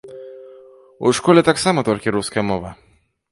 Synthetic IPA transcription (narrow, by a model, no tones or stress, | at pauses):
ṵʂkɔlʲɛt̪aksamɐt̪ɔlʲkʲiɾuskɐjɐmɔʋɐ